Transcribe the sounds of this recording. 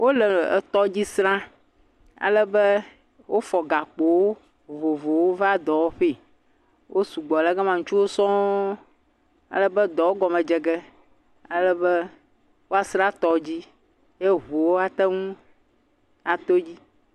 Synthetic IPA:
wʔo˦lɛ˨t̪ɔ˦d͡ʑi˦sɾã˦ | a̰˨lɛ˦bɛ˦ | wʔo˦fɔ˨ɡa˨k͡po˨wo˦ | vo˨vo˨wo˦va˦d̪ɔ˨wo˦ɸe˦˨ | wʔo˦su˨ɡ͡bɔ˨lɛ˦ɡa˦mã˨ŋũ˦t͡ʃu˦wo˦sɔ̃˦ | a̰˨lɛ˦bɛ˦d̪ɔ˨wo˦ɡɔ˨mɛ̃˨d͡ʒɛ˨ɡɛ˦ | a˨lɛ˦bɛ˦ | wo˦a˨sɾã˦t̪ɔ˦d͡ʑi˦ | je˦βo˨wo˦a˨t̪ɛ˦ŋũ˦ | a˨t̪o˦d͡ʑi˦

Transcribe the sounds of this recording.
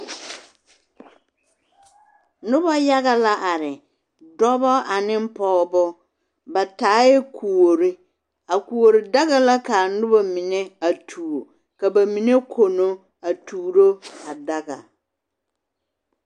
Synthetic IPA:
nʊ̃˦bɔ˦ja˦ɡa˨la˦ʔa˨ɾɪ˨ | dɔ˦bɔ˦ʔa˨nɪ̃˦m̩˦pʰɔː˦bɔ˦ | bɛ˨tʰa˨˦ɪ˦kʰu˨o˨ɾɪ˦ | a˨ku˨wo˨ɾɪ˨da˦ɡa˦la˦kʰa˨nʊ̃˦bɔ˨mĩ˨nɛ̃˦a˨tʰuː˨ɾo˨ | ka˨bæ˨mĩ˨nẽ˦kʰo˨nʊ̃˦ | a˨tʰuː˨ɾo˦a˨da˦ɡa̰˨

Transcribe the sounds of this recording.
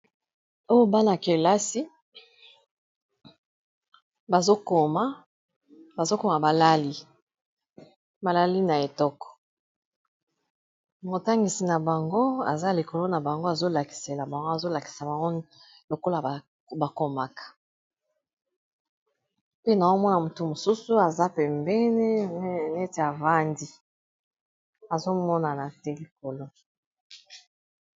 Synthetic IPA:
o˦jo˦ba˦na˨ke˨la˦si˦ | ba˨zo˦ko˨ma˦ | ba˨zo˦ko˨ma˨ba˨la˦li˦ | ba˨la˦li˦na˨e˨tɔ˦kɔ̥˨ | mo˨ta˦ŋɡi˨si˨na˨ba˨ŋɡo˦a̰˨za˦li˨ko˨lo˦na˨ba˨ŋɡo˦a˨zo˦la˨ki̥˨se˨la˨ba˨ŋɡo˦a˨zo˦la˨ki̥˨sa˨ba˨ŋɡo˦ | lo˨ko˦la˨ | ba˨ko˦ma˨kḁ˨ | pe˦na˨zo˦mɔ˦na˨mo˨tu˨mo˨su˦su˦a˨za˦pɛ˨mbɛ˦ni˦˨nɛ˦te˨a˨va˦ndi˦ | a˨zo˦mɔ˦na˨na˨tɛ˦li˨ko˨lo˦

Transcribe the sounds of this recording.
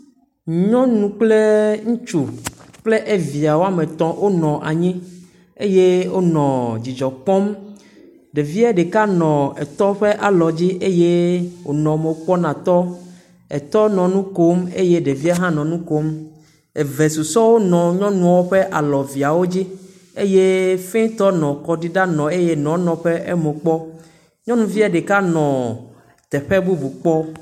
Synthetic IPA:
ɲɔ̃˦nũ˨k͡ple˦ŋũ˦t͡ʃu˨k͡ple˦ʔe˦vi˨a˨wo˦a˦mẽ˨t̪ɔ̃˦wʔo˦nɔ̃˨ʔa̰˨ɲĩ˦ | e˦je˦wo˦nɔ̃˨d͡ʑi˨d͡ʒɔ˨k͡pɔ̃˦m | ɖe˨vi˦a˦ɖe˨ka˦nɔ̃˨ɛ˨t̪ɔ˦ɸe˦ʔa˨lɔ˨d͡ʑi˦ʔe˦je˦wo˨nɔ̃˨me˨wo˨k͡pɔ˦nã˨t̪ɔ˦ | ɛ˨t̪ɔ˦nɔ̃˨nũ˦ko˦mḛ˦je˦ɖe˨vi˦a˦ɦã˦nɔ̃˨nũ˦ko˦m | e˨ve˨su˨sɔ˦wo˦nɔ̃˨ɲɔ̃˦nũ˦a˨wo˦ɸe˦ʔa˨lɔ˨vi˨a˨wo˦d͡ʑi˦ | e˦je˦fẽ˦t̪ɔ˦nɔ̃˨kɔ˦ɖi˦ɖa˦nɔ̃˨e˦je˦nɔ̃˨nɔ̃˨ɸe˦ʔɛ˦me˨k͡pɔ˦ | ɲɔ̃˦nũ˨vi˦ɛ˦ɖe˨ka˦nɔ̃˨ | t̪ɛ˨ɸɛ˦bu˦bu˨k͡pɔ˦

